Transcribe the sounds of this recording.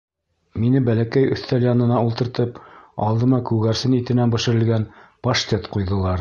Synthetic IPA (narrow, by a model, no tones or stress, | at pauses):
minɘbælækæjɵ̰̆θt̪æljɑnɤ̆nɑulˠt̪ɤ̆ɾt̪ɤp̚ɑ̰lˠd̪ɤ̆mɑkʉɡæɾsɘnit̪ɘ̆nænbɘ̆ʃɘ̆ɾɘ̆lɡænpɐʃt̪ʲet̪qujðɤ̆lˠɑɾ